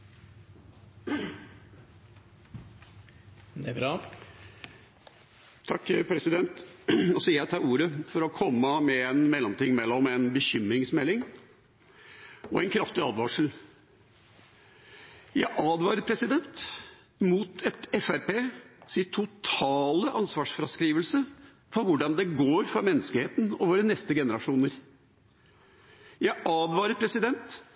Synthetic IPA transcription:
t̪ʰɑkːpʰɾɛsɪd̪ɛnt̪ɔsɔjæɪt̪ʰɑːʔuːɾəfɔɾɔkʰɔmːəmɛɛnmɛlːɔmt̪ʰɪŋːmɛlːɔmɛnbəçʏmɾɪŋsmɛlːɪŋ | ɔɛɪnkʰɾɑft̪ɪɑːd̪ʋɑːʂl̩ | jæɪʔɑːd̪ʋɑːɾəɾpʰɾɛsɪd̪ɛnt̪ | muːt̪ʰɛt̪ɛfæɾpeːsɪnt̪ʰʊt̪ʰɑːləʔɑnsʋɑːʂfɾɑskɾiːʋəlsə | fɔʋʊɖɑnd̪ɛɡoːɾfɾɑmɛnːəskəheːt̪n̩ɔʋoːɾənɛst̪əɡɛnəɾɑʂuːnəɾ | jæɪʔɑːd̪ʋɑːɾəɾpʰɾɛsɪd̪ɛnt̪

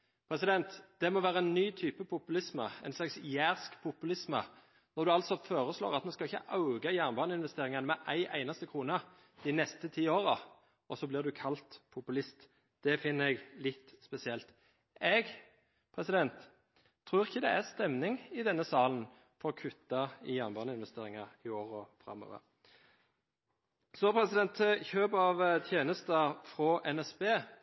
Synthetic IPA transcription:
pʰɾɛsɪd̪ɛnt̪d̪̥ɛmɔʋæːɾəɛnnːyːt̪ʰyːpəpʰʊpʉlɪsmə̰æɪnslɑksjæːʁskpʰʊpʉlɪsmə̰ | nɔʁd̪ʉɑlt̪sɔfoːɾəslo̰ːʁɑt̪mɛnskɑlɪçːə̰ʔɑʉɡɑjæːʁnbɑːnəɪnʋɛst̪eːɾɪŋɑnəmɛʔæɪʔæɪnɑst̪əkʰʁuːnə | d̪̥ɪnɛst̪ət̪ʰiːoːʁə | ʔɔsɔblɪʁd̪ʉkʰɑlt̪pʰʊpʉlɪst̪ | d̪̥ɛfɪnːəɛɡlɪt̪spɛsɪɛlt̪ | ɛɡ | pʰʁɛsɪd̪ɛnt̪ʰː | ʁʉːʁɪçːəd̪ɛæʁst̪ɛmnɪŋɪd̪ɛnːəsɑːlən | fɔɾɔkʰʉt̪ːɑɪjɑnbɑnɪnʋɛst̪eːʁɪŋɑɪoːʁəɔfɾɑ̰mːo̰ːʋə̰ʁ | soːpʰɾɛsɪd̪ɛnt̪çøːbɑʋt̪ʰjeːnəst̪əfʁɔʔɛnɛsbeː

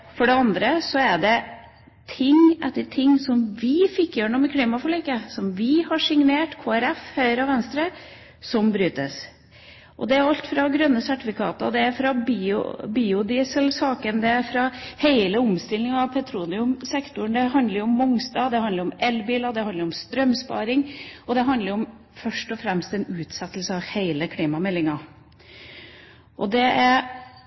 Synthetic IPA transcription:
fɔɖɛɑnd̪ɾəsɔæɖɛ | t̪ʰɪŋʔɛt̪ːəʈʰɪŋːsɔmʋɪfɪkːjøːɾɳɔmɛkʰliːmɑfɔɭeːkəsɔmʋɪhɑʂɪŋneːʈkʰoːæɾɛfhœʏəɾəɑʋɛnst̪ɾə | sɔmbɾyːt̪ə̰s | ʔɔ̰d̪ɛæɾʊɑlt̪fɾɑɡɾœnːəsæʈɪfɪkʰɑ̰ːt̪ə̰d̪ɛæɾfɾɑbiʊ̰biːʊd̪ɪːsəlsɑːkənd̪ɛæɾfɾɑheɪləʊmst̪ɪlːɪŋɑʋpʰɛt̪ʰɾuːnɪʊmsɛkt̪ʊɳd̪ɛɦɑnd̪ləɾʊɔmːɔŋst̪ɑːd̪ɛhɑnd̪əɾɔmɛlbiːlɑd̪ɛhɑnd̪əɾɔmst̪ɾœmspɑ̰ːɾɪŋɔd̪ɛɦɑnd̪ləɾɔm | fœʂʈɔfɾɛmst̪ɛnʉːt̪sɛt̪ːəlsəɑheɪləkʰliːmɑmɛlːɪŋɑ | ʔɔd̪ɛʔæɾ

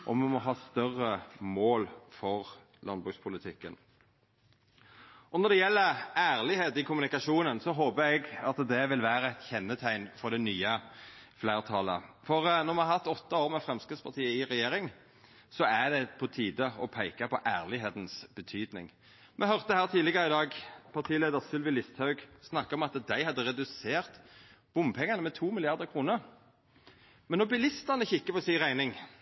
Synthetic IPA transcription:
ʔɔ̰mɛmɔɦɑːst̪œrəmoːlfɔʁ | lʔɑnbʁʉkspʰʊlɪt̪ʰɪkːən | ʔɔnɔɾd̪ɛjɛlːəæːʁlɪheːt̪ɪkʰʊmʉnɪkɑʂuːnənsɔɦoːbəɾɛɡɑt̪d̪ɛʋɪlʋæːɾəɛt̪çɛnːət̪ʰæɪnfɔɾd̪ɛnyːəfleːʁt̪ʰɑləfɔʁnɔʁmɛnhɑɾʁhɑt̪ːɔt̪ːɑoːʁmɛfʁɛmskəspʰɑʁt̪ʰiːəɪʁɛjeːɾɪŋ | sɔæd̪ɛpʰɔt̪ʰiːd̪əɔpʰæɪkɑpɔʔæːʁlɪɦeːt̪n̩sb̥ət̪ʰyːd̪nɪ̰ŋ | mʔɛhœʁt̪əhæːʁt̪ʰiːd̪lɪɡəɾəɪd̪ɑːɡpʰɑʁt̪ʰiːleːd̪əɾsʏlʋɪlɪst̪hɑʉɡsnɑkːəɾɔmɑt̪d̪æɪhɑd̪ːəɾɛd̪ʉseːʁt̪b̥ʊmpʰɛŋːɑnəmɛt̪ʰuːmɪlɪɑʁd̪əɾkʰʁuːnəɾ | mɛnːʊbɪlɪst̪əʁnəçɪkːəpɔsɪʁæɪnɪŋ

